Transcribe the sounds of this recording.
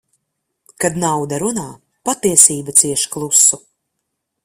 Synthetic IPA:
kad̪nawd̪aɾunaː | pat̪iɛsiːbat̪siɛʃklˠusːu

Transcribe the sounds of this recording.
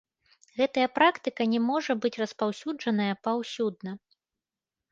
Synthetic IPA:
ɣɛt̪ɐjɐpɾakt̪ɨkɐnʲɛmɔʐɐbɨt͡sʲrɐspawsʲud͡ʐɐnɐjɐpawsʲud̪̚nɐ

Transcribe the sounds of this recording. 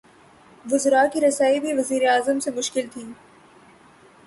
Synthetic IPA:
ʋʊzɾaːkiɾɐsaːibʱiʋɐziːɾeaːzəmsemʊʃkɪlt̪ʰiː

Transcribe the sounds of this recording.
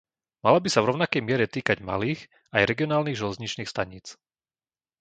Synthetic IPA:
malabisavɾɔʊnakɛjmɪɛɾɛt̪iːkaɟma̰liːx | ajɾɛɡiɪɔnaːlniːɣʒɛlɛzɲit͡ʃniːxst̪aɲiːt͡s

